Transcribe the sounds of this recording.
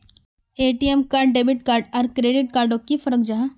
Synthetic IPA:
eːʈiemkaːɾɖɖeːbɪʈkaːɾɖɔːɾkɾeːɖɪʈ̚kaːɾɖokifəɾəkd͡ʒaɦã

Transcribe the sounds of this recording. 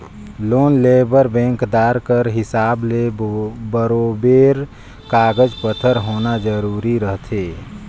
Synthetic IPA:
loːnleːbəɾbɛ̃ːŋkd̪aːɾkəɾɦɪsaːblebəɾoːbeːɾ | kaːɡəd͡ʒpət̪ʰəɾɦoːnad͡ʒəɾuːɾiɾəɦt̪ʰeː

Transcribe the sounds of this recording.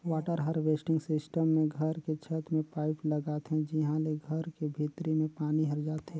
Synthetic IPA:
waːʈəɾɦəɾʋeːsʈɪ̃ŋɡsɪsʈəmːẽɡʱəɾket͡ʃʰət̪mẽpaːɪpləɡaːt̪ɦɛ̃d͡ʒɪɦãleɡʱɐɾkebʱit̪ɾimẽpaːniɦɐɾd͡ʒaːt̪ɦɛ̃ː

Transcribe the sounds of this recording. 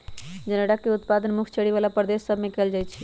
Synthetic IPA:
d͡ʒəneɽakeut̪pad̪ənmukʰt͡ʃʰəɽiβalapɾəd̪esːəbʱmekeld͡ʒaj̪t͡ʃʰi

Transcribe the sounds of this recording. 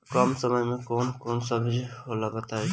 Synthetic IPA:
kɔmsəməjmẽkoːnkoːnsəbʱd͡ʒɦoːlabət̪aːe

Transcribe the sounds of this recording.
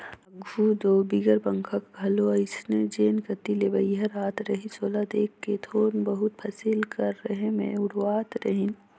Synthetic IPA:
ɐɡʱud̪oːbiɡəɾpɐ̃ŋkʰəkɡʱɐloɐɪsned͡ʒeːnkɐt̪ilebɐjɦɐɾaːt̪ɾɐɦisoːlad̪eːkːet̪ʰoːnbɐɦʊt̪̚pʰɐsilkɐɾːɐɦẽmḛ̃ʊɽaːt̪ɾɐɦĩn

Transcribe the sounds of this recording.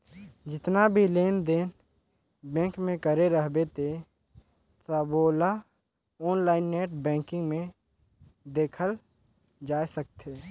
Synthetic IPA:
d͡ʒɪt̪nabʱileːnd̪eːn | bɛ̃ːŋkmẽkəɾeɾəɦbet̪e | səboːla | ɔːnlaːɪnːeːʈ̚ʰbɛ̃ːŋkɪ̃ŋɡmẽ | d̪eːkʰəl | d͡ʒaːjsək̚t̪eː

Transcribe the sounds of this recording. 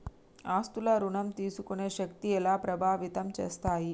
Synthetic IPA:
aːst̪ulɐɾuɳɐmt̪iːsukuneɕɐkt̪ijelapɾɐbʱaːʋit̪ɐmt͡ʃɐst̪aːɦi

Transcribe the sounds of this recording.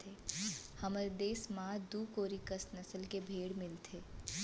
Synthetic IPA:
t̪ʰeːhɐməɾd̪eːsmãːd̪uːkoːɾikəsnɐsəlkebʱeːɽmɪlt̪ʰeː

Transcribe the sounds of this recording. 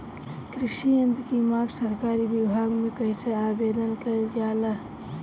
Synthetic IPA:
kɾɪʃiɐnd̪kimaːɾsɐɾkaːɾibibʱaːɡmẽkɐisʰeaːbeːd̪ənkɐezjaːla

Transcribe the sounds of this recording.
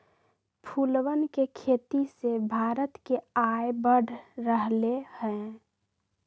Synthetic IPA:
pʰulwənkekʰeːt̪isebʱaːɾət̪keaebəɖʱɾəɦlehɛ̃

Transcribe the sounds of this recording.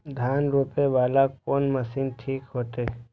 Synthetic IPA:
d̪ʱaːnɾuːpeʋaːlakoːnməsiːnʈʰiːkɦoːt̪eː

